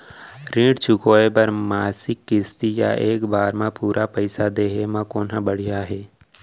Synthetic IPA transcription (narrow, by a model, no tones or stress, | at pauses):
ɾĩːɖt͡ʃʰʊkoːepɐɾmaːsɪkːɪst̪ija̰ʔeːkbaːɾmãpuːɾʔapəɪsad̪eːɦemãkoːnɦãbəɽ̤ijaɦɛː